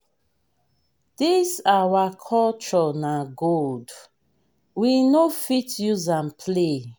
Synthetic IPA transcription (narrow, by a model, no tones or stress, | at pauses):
d̥isawakʰɔlt͡ʃɔnaɡold | winofitjuzãnpʰle